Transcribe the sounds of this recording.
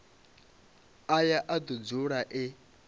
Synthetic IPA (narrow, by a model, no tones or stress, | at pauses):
ajaʔad̪ud͡zuɺaʔɪ